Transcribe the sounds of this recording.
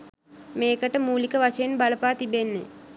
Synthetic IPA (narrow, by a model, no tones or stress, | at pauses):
meːkəʈəmuːlikəʋaʂɐjenbaləpaːt̪ibenːḛ